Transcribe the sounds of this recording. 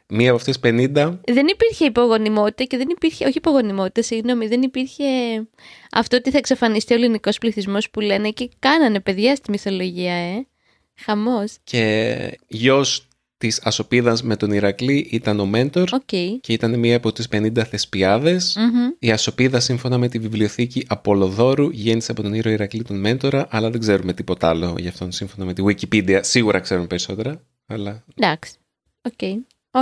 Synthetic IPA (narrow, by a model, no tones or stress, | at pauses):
miɐpoɐft̪oispe̞nind̪ɐðe̞nipiɾçe̞ipo̞ɣo̞nimo̞t̪i̥t̪ɐceðenipiɾçeo̞çipo̞ɣo̞nimo̞t̪i̥t̪ɐsiɣno̞miðe̞nipiɾçe̞ | ɐ̰ft̪ot̪iθɐeksɐfɐnist̪ioliniko̞spliθizmo̞spule̞ne̞ce̞kɐnɐne̞pe̞ðʝɐst̪imiθo̞lo̞ʝiɐe̞ | xɐmo̞sce̞ | ʝo̞s | t̪isɐso̞piðɐzme̞t̪o̞niɾɐkliʔit̪ɐno̞me̞nt̪o̞ɾocejce̞it̪ɐnemiɐːpo̞t̪ispe̞nind̪ɐθe̞spiɐðe̞siɐso̞piðɐsiɱfo̞nɐme̞t̪ivivlio̞θiciʔɐpo̞lo̞ðo̞ɾuʝe̞niseɐpo̞t̪o̞niɾo̞iɾɐklit̪onme̞nt̪o̞ɾɐʔɐlɐðe̞ɡze̞ɾume̞t̪ipo̞t̪ɐɐlo̞̰ʝɐːft̪o̞nsiɱfo̞nɐme̞t̪iɣwicipid̪iɐsiɣuɾʔɐkse̞ɾumepe̞ɾiso̞t̪e̞ɾɐ | ɐlɐd̪ɐksi̥ | oce